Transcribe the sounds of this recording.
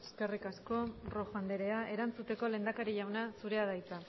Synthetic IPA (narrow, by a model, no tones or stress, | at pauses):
e̥ske̞rikasko̞ro̞xand̪e̞ɾe̞aʔe̞ɾant͡sut̪e̞ko̞le̞ːnd̪akaɾiʎawnasuɾe̞að̞ajt͡sa